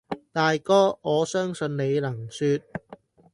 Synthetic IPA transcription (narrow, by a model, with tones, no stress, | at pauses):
t̪aː˨jkɔː˥ɔː˨˧sœː˥ŋsɵ˧nne˨˧jlɐ˨˩ŋsyː˧t̚